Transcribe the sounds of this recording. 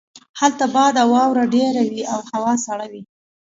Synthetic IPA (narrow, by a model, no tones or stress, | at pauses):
halt̪abɑd̪awɑwɾaɖeɾawiawhawɑsaɽawi